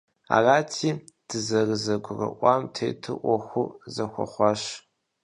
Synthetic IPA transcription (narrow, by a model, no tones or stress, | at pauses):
a̰raːtʰiː | d̥ʰɨzɐrɨzɐɡʷʊrɐ̰ʔʷɑmtʰḛːjtʰɨʔʷɔxʷʊzɐxʷɔ̰χʷɑɕ